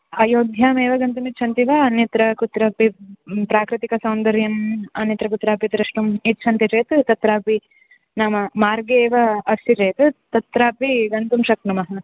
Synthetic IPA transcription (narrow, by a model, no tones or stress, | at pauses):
ɐjoːd̪ʱjaːmeːʋɐɡɐnt̪umit̪ːt͡ʃʰɐnt̪iʋɐɐnjɐt̪ɾɐkut̪ɾaːpipɾaːkɾit̪ikɐsɐwnd̪ɐɾjɐmɐnjɐt̪ɾɐkut̪ɾaːpit̪ɾɐʂʈumit̪ːt͡ʃʰɐnt̪iɾeːt̪t̪ɐt̪ɾaːpi | naːmɐmaːɾɡeːʋɐɐstiʈeːt̪ut̪ɐt̪ɾaːpiɡɐnt̪umʃɐknumɐɦɐ